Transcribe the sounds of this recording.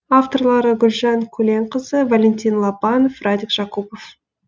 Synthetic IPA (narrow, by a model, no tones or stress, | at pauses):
aft̪o̞rlˠɑɾəɡʲʏlʒɑŋkʲʰɵle̞ɴqəzəvalʲent̪ʲinlˠɑbɑnofrad̪ʲikʒ̥ɑqupo̞f